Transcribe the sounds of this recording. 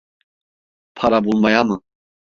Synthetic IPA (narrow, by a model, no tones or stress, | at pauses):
pʰaɾabulˠmajamɯ